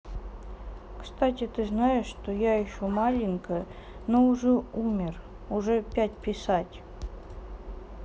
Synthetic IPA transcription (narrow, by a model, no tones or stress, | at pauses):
kst̪atʲɪt̪ɨznajɪʂːt̪ojaɪɕumalʲɪŋʲkə | noʊʐɛumʲɪr | ʊʐɛpʲætʲpʲɪsatʲ